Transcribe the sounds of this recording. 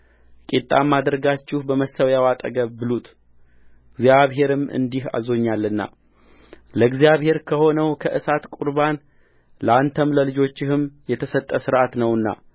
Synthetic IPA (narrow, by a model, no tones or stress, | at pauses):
kʼit̪ʼːamːad̪ɾɡat͡ʃːɪhbəməsəwjawat̪ʼə̰ɡəβːɨlut̪ʰ | ɡzjaβɦe̞ɾɨmɨ̰nd̪iha̰zo̞ɲːalːɨnːa̰ | ləɡzjaβhe̞ɾkʰəho̞nəwkʰəʔɨsat̪kʷʼuɾban | ləant̪ʰəmləlɨd͡ʒo̞t͡ʃːɪhɨmjɛt̪ʰəsət̪ʼːəsɨɾʔat̪nəwɨnːa̰